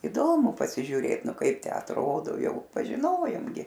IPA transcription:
ɪˈdoːmʊ pɐsʲɪʒʲuːˈrʲeːt ˈnʊ ˈkɐɪp tʲæː ɐtˈroːdoː ˈjɛʊ pɐʒʲɪˈnoːjoːm ɡʲɪ

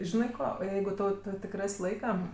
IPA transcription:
ˈʒʲɪnɐɪ ˈkoː ˈjɛɪɡʊ ˈtɐʊ ˈtʊ tʲɪk ˈrɐsʲ ˈlˠɐɪkɐ

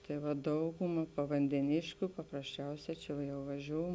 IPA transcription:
ˈtɐɪ ʋɐ ˈdɐʊɡʊmɐ pɐʋɐnʲdʲɛˈnʲeːʃʲkʲʊ pɐprɐsʲˈt͡ʃʲɛʊsʲɛː t͡ʃʲɛ jɛʊ ʋɐˈʒʲoːʊ

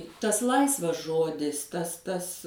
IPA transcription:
ˈtɐs ˈlˠɐɪsʋɐs ˈʒoːdʲɪs ˈtɐs ˈtɐs

